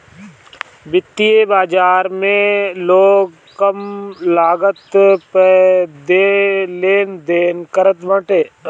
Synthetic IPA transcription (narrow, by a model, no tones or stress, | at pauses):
bɪt̪ːijebaːd͡ʒaːɾmẽloːɡ | kəmlaːɡət̪ped̪eleːnd̪eːnkəɾət̪ʋə̃ʈeː